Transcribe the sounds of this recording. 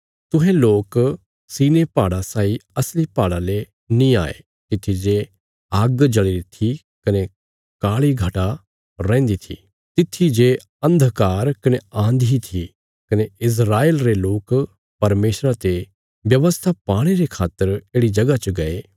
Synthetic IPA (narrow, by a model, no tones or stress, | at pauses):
t̪ʊ̃ɦẽloːk | siːnepaːɽasaːiɐslipaːɽale | nĩa̰ːḛ | t̪ɪt̪ʰːid͡ʒe | aːɡd͡ʒɐɽiɾit̪ʰi | kɐne | kaːɭiɡʱɐʈa | ɾɛ̃ːnd̪it̪ʰḭ | t̪ɪt̪ʰːid͡ʒe | ɐ̃nd̪ʱkaːɾkɐneãːnd̪ʱit̪ʰi | kɐneɪs̬ɾaːeːlɾeloːk | pɐɾmeːsɾat̪e | ʋjɐʋəst̪ʰapaːɽ̃eɾekʰaːt̪ːəɾeːɽid͡ʒɐɡat͡ʃɐɡɐeː